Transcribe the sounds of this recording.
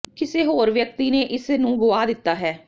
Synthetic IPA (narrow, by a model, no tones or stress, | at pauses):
kɪseːɦoːɾʋjək̚t̪iːneːʔɪsnũːɡʊaːd̪ɪt̪ːaːɦɛː